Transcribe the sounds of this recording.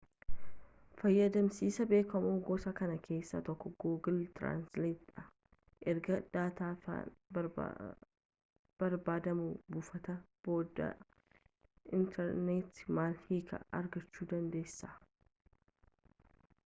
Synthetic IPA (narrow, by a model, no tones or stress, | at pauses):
fɐjːɐd̪ɐmsiːsɐbe̞ːkɐmoːɡɔsɐkɐnɐkʰe̞ːsːa̰t̪ɔkːɔɡoːɡɪlt̪ɾa̰ːnsleːt̪ᶑɐ | ʔɛɾɡɐd̪aːt̪aːfa̰ | b̥ɐɾbaːd̪ɐmuːbʊfɐt̪ɐ | boːd̪ɐ̰ | ʔɪnt̪ʰɛɾnet̪maːlhiːkʰɐ̰ʔɐ̰ɾɡɐt͡ʃːuːd̪ɐnd̪eːsːaː